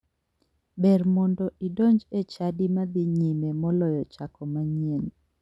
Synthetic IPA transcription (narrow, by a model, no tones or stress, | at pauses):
bɛrmɔndɔʔidoɲd͡ʒet͡ʃadimad̪iɲimemɔlɔjɔt͡ʃakɔmaɲien